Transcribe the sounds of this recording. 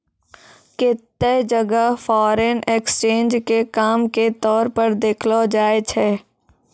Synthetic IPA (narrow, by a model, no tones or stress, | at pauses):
kɪt̪ːed͡ʒɐɡəfɔːɾenekst͡ʃẽːnd͡ʒkekaːmket̪ɔːɾpəɾd̪eːkʰlod͡ʒaːet͡ʃʰɛː